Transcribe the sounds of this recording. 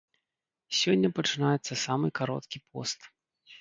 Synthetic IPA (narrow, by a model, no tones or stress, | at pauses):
sʲɔnʲːɐpɐt͡ʂɨnajɛt̪sːɐsamɨkaɾɔ̰t̪kʲipʰɔ̰st̪